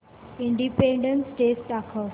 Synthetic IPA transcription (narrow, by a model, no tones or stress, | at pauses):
iɳɖipẽɳɖə̃nsʈeːsʈakʰə